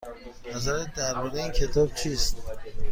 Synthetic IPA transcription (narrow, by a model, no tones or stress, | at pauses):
nazaɾɛd̪æɾmɔd̪einkʲʰet̪ʰɔb̚t͡ʃʰist̪